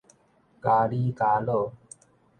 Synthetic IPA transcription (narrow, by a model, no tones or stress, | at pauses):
kaːɽiːkaːloː